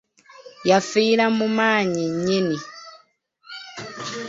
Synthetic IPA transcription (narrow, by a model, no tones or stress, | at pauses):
jafiːɾamumaːɲiɲini